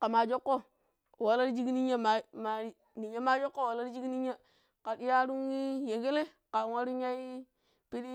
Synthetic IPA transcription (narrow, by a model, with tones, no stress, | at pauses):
ka˨ma˨d͡ʒo˦kːo˦˨ | wa˨la˦ɾd͡ʒi˦ɡni˦ɲa˦ma˨ma˨˦ | ni˨ɲa˦ma˦d͡ʒo˦kːo˦wa˨la˦ɾi˦d͡ʒi˦ɡni˦ɲa˦ | ka˨ɗi˦ja˦ɾu˦ŋi˦je˨ɡe˦le˦ | ka˨ŋa˦ɾu˦ɲ˦a˦i˦ | pi˦ɗi˦